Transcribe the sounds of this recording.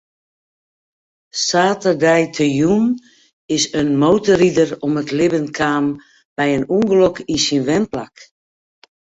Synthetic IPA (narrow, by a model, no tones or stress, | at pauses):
saːtərdɛjtʰəjun | ɪsənmowtəridərɔmətlɪbənkʰaːm | b̥ɛjənuŋɡəlokisinʋɛnpla̰k